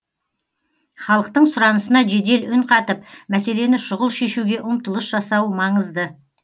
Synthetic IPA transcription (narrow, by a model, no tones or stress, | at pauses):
χɑlˠəq̚t̪əɴsʊɾɑnəsənɑʒe̞d̪e̞lʏnqʰɑt̪əpmæse̞le̞nɪʃʊʁəlˠʃe̞ʃuɡʲe̞ʔʊmt̪əlˠəsʒɑsɑwmɑɴəzd̪ə